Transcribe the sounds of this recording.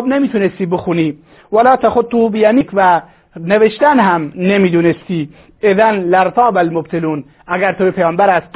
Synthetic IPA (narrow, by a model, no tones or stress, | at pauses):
bnemiːt̪ʰunest̪iːbɪxuːniː | wælɑːt̪ʰæxod̪̚t̪uːbɪjæmiːkʰvæ | neveʃt̪ænɦæmnemiːd̪uːnest̪iː | eðænlæɾt̪ʰɑːbælmob̚t̪ʰeluːn | ʔæɡæɾt̪ʰojepʰejɑːmbæɾæst̪̚q